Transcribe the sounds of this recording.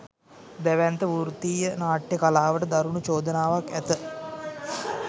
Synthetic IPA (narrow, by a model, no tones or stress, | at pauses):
d̪æʋænt̪əʋuɾt̪iːjənaːʈjəkalaːʋəʈəd̪aɾunut͡ʃoːd̪ənaːʋakæ̰t̪ə